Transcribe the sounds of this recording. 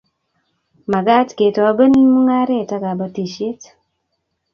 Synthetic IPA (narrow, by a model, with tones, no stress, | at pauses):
ma˨ɡa˦tke˨tɔ˨a˦be˦nmu˦ŋa˦ɾɛ˦˨ta˦ɡa˨ba˦ti˨ʃe˦t